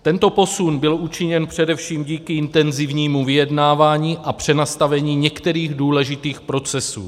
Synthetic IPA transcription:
t̪ɛnt̪o̞po̞sunbɪlʔut͡ʃɪɲɛnpr̝̥ɛdɛfʃiːmɟiːkɪɪnt̪ɛnzɪvɲiːmuvɪjɛdnaːvaːɲiːʔapr̝̥ɛnast̪avɛɲiːɲɛkt̪ɛɾiːɣduːlɛʒɪt̪iːxpɾo̞t͡sɛsṵː

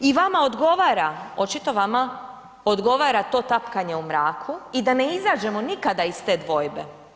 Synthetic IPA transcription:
iʋamao̞d̪ɡo̞ʋaːɾao̞t͡ʃit̪o̞ʋama | od̪ɡo̞ʋaːɾat̪o̞ːt̪apkaɲe̞umɾaːkʰuid̪ane̞izaːd͡ʒe̞mo̞nikad̪aist̪e̞ːd̪ʋo̞jbe

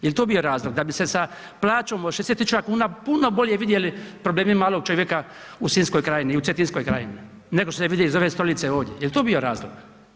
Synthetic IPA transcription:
jelit̪obijo̞ɾaːzlˠoɡd̪abise̞sa | plˠaːt͡ʃoːmoʃeset̪it͡ʃuʋakuːnapuno̞bo̞lʲjeʋid̪je̞lipɾo̞bleːmimaːlˠo̞ɡ̚t͡ʃo̞ʋjekausiːnskojkɾaːjiniut̪et̪insko̞jkɾa̰ːjini | ne̞ɡoʃt̪oseʋid̪jelizo̞ʋe̞st̪o̞lit̪se̞o̞ːʋd̪jejelit̪oːbijo̞ɾaːzlo̰ɡ̥

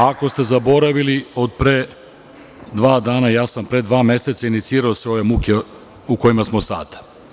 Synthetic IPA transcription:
ako̞st̪e̞zabo̞ɾaʋilio̞d̪̚pɾe | d̪ʋaːd̪aːnajaːsampɾe̞d̪ʋaːmje̞set̪sainit̪siːɾaose̞o̞ʋe̞mukʲe | uko̞jimasmo̞sa̰ːd̪

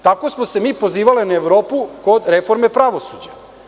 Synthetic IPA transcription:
t̪ako̞smose̞miːpo̞ziːʋalinaeʋɾo̞ːpuko̞d̪ɾe̞fo̞ɾme̞pɾaʋo̞sud͡ʑa

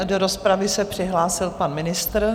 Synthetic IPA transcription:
doɾospɾavɪsɛpr̝̥ɪɦlaːsɪlpanmɪnɪst̪ɾ

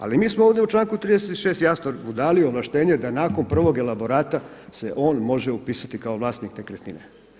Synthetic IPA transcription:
a̰limiːsmooːʋdjeut͡ʃlˠaːŋkut̪ɾiːd̪eset̪i̥ʃest̪jast̪oɾud̪aːlioʋlˠaʃt̪e̞ːɲed̪anaːko̞mpr̩ʋo̞ɡe̞labo̞ɾaːt̪a | se̞ʔo̞ːnmo̞ʒeupiːsat̪ikao̞ʋlˠaːst̪niknekɾet̪nine

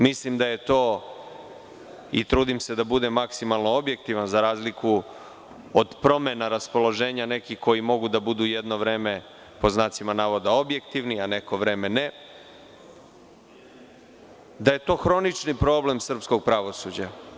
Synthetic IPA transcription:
mislimd̪aje̞t̪o̞ː | it̪ɾuːd̪imse̞d̪abud̪e̞maksimalˠno̞o̞bje̞kt̪iʋanzaɾaːzliku | od̪pɾo̞me̞naɾaspo̞lo̞ʒe̞ːɲane̞kiko̞jimo̞ɡud̪abud̪uje̞d̪no̞ʋɾe̞ːme̞ | po̞znaːt̪simanaːʋo̞d̪ao̞bje̞kt̪iʋniane̞ko̞ʋɾe̞ːme̞ne | d̪aje̞t̪o̞ːxɾo̞nit͡ʃnipɾo̞ːble̞msr̩psko̞ɡ̚pɾaʋo̞sud͡ʑa

